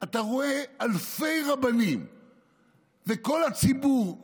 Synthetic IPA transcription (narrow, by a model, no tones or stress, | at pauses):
ataʁo̞ealfe̞jʁabanim | veko̞lat͡sibuʁ